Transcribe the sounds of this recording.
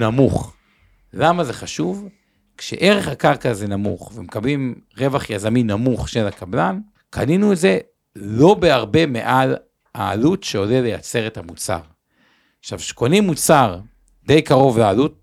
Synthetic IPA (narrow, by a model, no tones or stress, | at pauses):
namuχ | lamaze̞χaʃuv | kʃḛʔe̞ʁeχakaʁkazenamṵχvemekablimʁe̞vaχjazaminamuχʃelakablan | kʰa̰ninuetze̞ | lo̞beaʁbe̞mḛʔal | a̰ːlutʃeolelejat͡se̞ʁethamut͡sa̰ʁ | aχʃavʃe̥ko̞nimːut͡saʁ | de̞jkaʁo̞vlealut̚